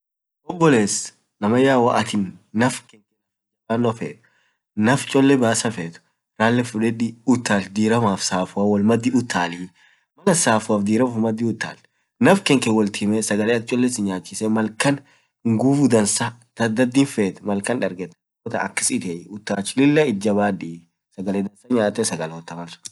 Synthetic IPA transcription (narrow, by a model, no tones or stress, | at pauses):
ʔɔbːɔleːs | nɐmɐjaːwɐʔɐt̪ɪnːɐfkɛŋkɛnɐ | ɛbaːnːɔfeːt̪ | nɐft͡ʃʼɔlːɛbaːsɐfeːt̪ʊ̥ | ɾaːlːɛfʊᶑɛᶑiʊt̪ːaːld̪iːɾɐmaːfsaːfʊaːwɐlmɐd̪ːɪʊt̪ʰːaːli | mɐlɐsaːfʊaːfd̪iːɾɐmɐfmɐd̪ːɪʊt̪ːa̰ːl | nɐfkɛŋkɛwɔlt̪ʰimɛsɐɡɐleːɐt̪t͡ʃʼɔlːɛsɪɲaːt͡ʃːɪsɛmɐlkɐn | ŋɡufʊd̪ɐnsat̪ɐd̪ːɐd̪ːiːnfeːt̪ɛ̥mɐlkɐnᶑɐɾɡɛt̪ːɛ | ɔt̪ɐ̰ɐ̰kːɪ̥sɪt̪eʊt̪ːaːt͡ʃːɪlɪlːɐɪd͡ʒːɐbaːᶑi | sɐɡɐleːd̪ɐnsɐɲaːt̪ːɛsɐɡɐlɔt̪ːɐmɐlsʊ̥